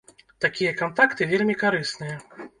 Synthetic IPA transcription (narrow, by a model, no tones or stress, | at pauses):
t̪akʲijɐkant̪akt̪ɨvʲelʲmʲikaɾɨsnɨjɐ